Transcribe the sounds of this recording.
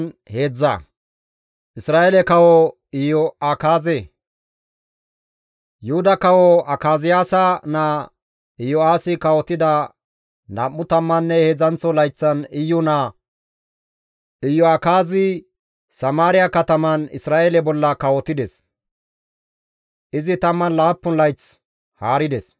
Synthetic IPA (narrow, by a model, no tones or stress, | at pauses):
heːd͡zːɐ̰ | ʔɪsɾaːʔelɛkɐwɔ | ɪjɔɐkaːze | jʊhʊd̪ɐkɐwɔɐkaːzɪjaːsɐna | ɪjɔaːsɪkɐwɔt̪ɪd̪ɐ | nɐmːʊt̪ɐmːɐnːɛhɛzɐnt͡sːɔlɐjt͡sːɐnɪjːɔnaː | ʔɪjːɔɐkaːzɪ | sɐmaːɾɪjakɐt̪ɐmɐnɪ̰sɾaːʔelɛbɔlːɐkɐwɔt̪ɪd̪ɛs | ʔɪzɪt̪ɐmːɐnlaːpːʊnlɐjt͡s | haːɾɪd̪ɛs